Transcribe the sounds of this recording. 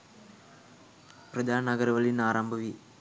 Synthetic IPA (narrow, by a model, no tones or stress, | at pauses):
prɐd̪ʱaːnɐnɐɡɐɾʋɐlinaːɾaːmbʱɐʋi